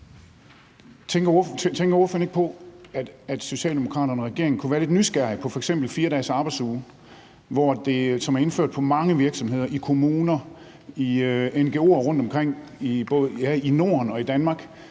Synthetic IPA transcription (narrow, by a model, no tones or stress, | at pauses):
t͡sʰeŋɡ̥ɐɔt͡sʰeŋ̰ɡɐoføɐne̝ɡ̥pʰɒ̽æ̥æd̥so̝ɕɛ̰ːldemo̝kʰʁɑ̰̈ːɾɐnʁaɡ̥e̝ɐ̰eŋnkʰuʋæːɐle̝d̥nysɡ̥æɐ̰pʰɒ̽fɒeɡ̥sem̰b̥l̩fiːɐɾɛ̰ːsɑ̈ːb̥ɪdsuː | ʋɒd̥e̝sɒ̽mæɐe̝nføɐ̰d̥pʰɒ̽mɑ̈ŋəʋiɐɡ̥sɒ̽mɦe̝ð̞̰ˠɐʔikʰo̝muːnɐ | ienɡ̥e̝ːo̝̰ːɒʁɔ̽n̰d̥ɒ̽mkʰʁeŋ̰ | ib̥ɔðjæino̝ːɐnɒ̽id̥ænmɑ̈ːɡ̥